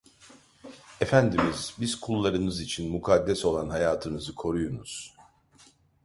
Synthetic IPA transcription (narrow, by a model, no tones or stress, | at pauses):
efænd̪imizbizkʰulˠːaɾɯnɯzit͡ʃʰinmukʰad̪ːɛso̞lˠanɦajaːt̪ʰɯnɯzɯkʰo̞ɾujonuz̥